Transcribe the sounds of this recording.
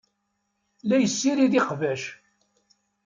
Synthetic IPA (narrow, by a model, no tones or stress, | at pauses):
læjəsːiɾiðiqvæʃ